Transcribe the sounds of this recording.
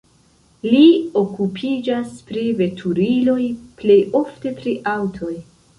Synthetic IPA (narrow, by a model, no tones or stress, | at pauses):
lio̞kupʰid͡ʒaspɾive̞tʰuɾilo̞jple̞jo̞fte̞pɾiʔawtʰo̞j